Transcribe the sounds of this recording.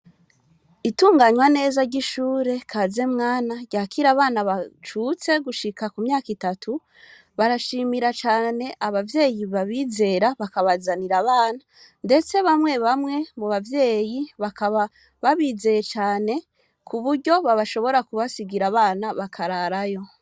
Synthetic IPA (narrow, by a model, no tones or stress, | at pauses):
ituːŋɡaɲwane̞ːzaɟiʃuːɾe̞kʰaze̞mŋaːnaɟjaːkʰiɾaβaːnaβat͡ʃut͡se̞ɡuʃikakumɲaːkitatʰu | βaɾaʃimiɾat͡ʃaːne̞ʔaβavje̞ːjiβaβiːze̞ɾaβakaβazaniɾaβaːna | nde̞t͡se̞βamŋe̞βamŋe̞muβavje̞ːjiβakaβa | βaβiːze̞jet͡ʃaːne̞ | kʰuβuɾɟo̞βaβaʃo̞βo̞ɾakuβasiɡiɾaβaːnaβakʰaɾaɾajo̞